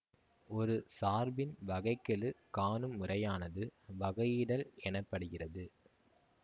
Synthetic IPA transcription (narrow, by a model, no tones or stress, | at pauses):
ɔɾɯsaːɾbɪnʋɐɣɐɪkːɐɭɯkaːnɯmːʊrɐjaːnɐðɯʋɐɣɐjɪɽɐlɛnɐpːɐɽɯɣɪrɐðɯ